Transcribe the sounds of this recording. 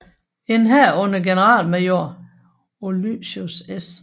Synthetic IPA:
e̝nɦæɐɔnəɡ̥enəʁɑ̰̈ːlmɑjoɐ̰ | oly̥ɕuses

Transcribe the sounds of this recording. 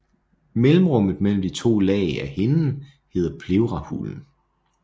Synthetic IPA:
melm̩ʁɔ̽m̰ð̞̩ˠmel̰m̩d̥it͡sʰo̝̰ːlɛ̰ːɪæhe̝nn̩ | he̝ːðˠɐpʰle̝ʊʁɑhṵln̩

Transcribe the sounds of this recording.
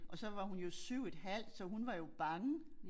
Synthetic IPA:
ʔɒ̽sɒ̽ʋɑ̈hunjo̝syʊ̰e̝d̥ɦæl̰d̥sɒ̽ɦunʋɑ̈jo̝b̥ɑ̈ŋə

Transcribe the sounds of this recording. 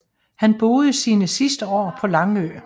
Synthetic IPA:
hænb̥o̝ːð̞ˠəsiːnəsisd̥əɒ̰ːpʰɒ̽lɑ̈ŋø

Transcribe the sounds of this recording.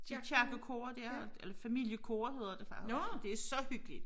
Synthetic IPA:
d̥it͡ɕʰæɐɡ̥əkʰoːɐd̥æɐelɐfæmil̰jəkʰoːɐhe̝ð̞ˠɐd̥efɑ̈d̥e̝sɒ̽hyɡ̥əlid̥

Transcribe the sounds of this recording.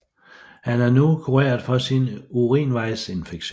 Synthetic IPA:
hænæɐnukʰuʁḛːɐð̩ˠfɒ̽sinuʁḭːnʋɑ̈ɪse̝nfeɡ̥ɕ

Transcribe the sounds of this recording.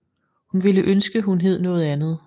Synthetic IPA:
hunʋiləʔønsɡ̥əɦunɦe̝ð̰ˠnɔ̽ːð̩ˠænð̩ˠ

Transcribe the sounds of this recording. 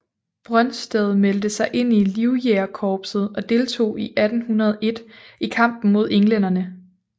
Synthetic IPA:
b̥ʁɶnsd̥eð̞̩ˠmeld̥əsɑ̈ɪʔe̝n̰iliʊjeɐkʰɒːb̥sð̩ˠɒ̽d̥e̝ːlt͡sʰo̝̰ːiʔæd̥n̩hunɐð̞ˠʔe̝d̥ikʰɑ̈m̰b̥n̩mo̝ð̞̰ˠeŋlen̰ɐnə

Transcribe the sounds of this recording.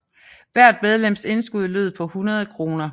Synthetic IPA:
ʋæɐ̰d̥með̞ˠlem̰se̝nsɡ̥uð̞ˠløð̰ˠpʰɒ̽hunɐð̞ˠkʰʁo̝ːnɐ

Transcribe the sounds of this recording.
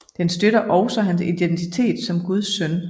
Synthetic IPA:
d̥ensd̥øɾɐʔɒʊsɒɦænsid̥ent͡sʰit͡sʰe̝̰ːd̥sɒ̽mɡ̥uð̞ˠsœn

